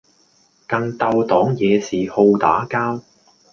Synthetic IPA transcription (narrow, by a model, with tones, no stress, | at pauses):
kɐ˧ŋt̪ɐ˧wt̪ɔː˨˥ŋjɛː˨˧siː˨ho˧wt̪a̰ː˨˥kaː˥w